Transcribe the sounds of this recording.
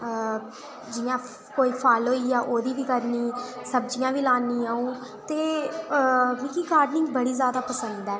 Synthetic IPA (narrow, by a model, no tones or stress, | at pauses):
d͡ʒɪjãː | koːiːpʰaːlɦoːiːjaːʔoːd̪iːʋiːkəɾniːsəbd͡ʒɪjãːʋiːlaːniːaːũːt̪eː | mikiːɡaːɾɖnɪŋɡbəɽiːzjaːd̪aːpəsənd̪ɛː